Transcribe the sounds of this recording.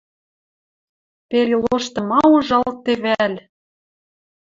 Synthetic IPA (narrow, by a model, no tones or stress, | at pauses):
pelʲeloʃt̪ɤ̆mɑuʒɑlt̪eβælʲ